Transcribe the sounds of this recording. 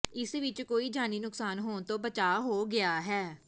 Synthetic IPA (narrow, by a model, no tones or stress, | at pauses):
ɪsʋɪt͡ʃkoːiːd͡ʒaːniːnʊksaːnɦoːnt̪õːbət͡ʃaːɦoːɡɪaːɦɛː